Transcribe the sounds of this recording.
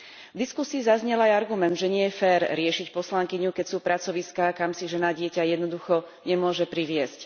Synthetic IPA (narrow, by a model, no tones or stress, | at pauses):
vd̪iskusiːzazɲɛlajaɾɡumɛnd̪ʒɛɲɪɛjɛfɛːɾɾɪɛʃicpɔslaŋkiɲukɛcsuːpɾat͡sɔʋiskaːkamsiʒɛnaɟɪɛcajɛd̪nɔd̪uxɔ | ɲɛmʊɔʒɛpɾiʋɪɛsc